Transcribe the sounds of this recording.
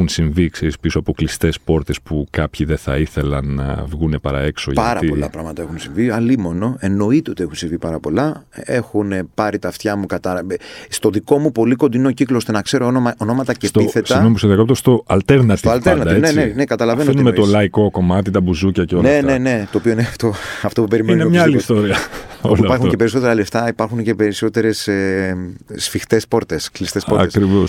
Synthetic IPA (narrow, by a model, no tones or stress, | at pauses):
unsiɱvikseɾispisoɐpo̞klist̪e̞spo̞ɾt̪e̞spukɐpçiðeθɐiθe̞lɐnːɐ̰vɣune̞pɐɾɐ̰e̞kso̰ʝpɐɾɐpolɐ̰pɾɐɣmɐt̪ɐe̞xunsiɱviɐlimo̞no̞e̞no̞it̪eo̞t̪ie̞xunsiɱvipɐɾɐpo̞lɐe̞xunpɐɾit̪ɐft̪çɐmukɐt̪ɐst̪o̞ðiko̞mupo̞liko̞nd̪inociklost̪e̞nɐkse̞ɾonoɐonomɐt̪ɐcest̪iθe̞sɐɐnomposeðijɐkopt̪ost̪o̞ʔɐlt̪eɾnɐtsoɐlt̪eɾɾnɐd̪ɐennenekɐt̪ɐlɐvenoinumet̪olɐiko̞ko̞mɐt̪it̪ɐbuzucɐceonenne̞ne̞t̪o̞ːpioineɐft̪oɐft̪o̞pupeɾimeinemɲɐlist̪oɾiɐoipɐxunce̞peiso̞t̪e̞ɾɐleft̪ɐipɐɾxunce̞pe̞ɾiso̞t̪e̞ɾe̞seː | fixt̪e̞spo̞ɾt̪e̞sklist̪espo̞ɐ̰eskɾivos